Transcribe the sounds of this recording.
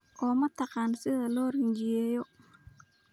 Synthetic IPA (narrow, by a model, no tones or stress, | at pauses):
ʔɔːmɐt̪ʰɑqɑːnsɪðɐlɔːrɪnt͡ʃɪjɛːjɔ